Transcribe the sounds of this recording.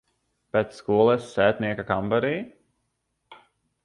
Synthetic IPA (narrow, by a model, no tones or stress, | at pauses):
pɛt̪sskuɔlˠɛsːæːt̪niɛkakambaɾiː